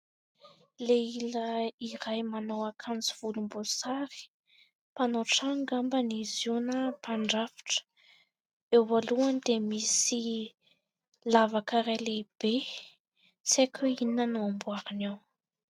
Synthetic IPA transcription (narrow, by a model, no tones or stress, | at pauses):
leiləiɾajmanowakʰanziv̥ulumbosaɾi̥ | panoʈ͡ʂaŋɡambənizunəpaɳɖ͡ʐafi̥ʈ͡ʂə̥ | ewvaluanid̪emisi | lavakaɾaleb̥e | t͡sekʲʰuininanuambuaɾinaw